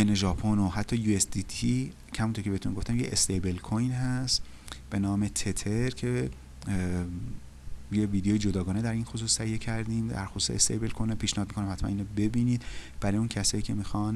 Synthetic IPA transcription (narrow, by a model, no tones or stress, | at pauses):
eneʒɒːpʰonoɦæt̪ʰːɒːjuːesd̪it̪ʰi | khæmunt̪ʰoɾkʰeeet̪unɡoft̪æmjeest̪ejbelkʰojnɦæst̪ | b̥e̞nɒːmet̪ʰet̪ʰeɾcʰe | jeviːd̪ejejed͡ʒod̪ɒːɡɒːne̞d̪æɾiːnxos̬uːst̪ːæijecʰæɾd̪iːmd̪æ̰ɾxosu̥ːseḛst̪ḛjbe̞lkʰojnepʰiːʃnehːd̪mikonæmhæt̪ʰmæ̰niːnobe̞biniːd̪b̥æɾɒːjuncʰæsɒːjiːcʲʰe̞mixɒn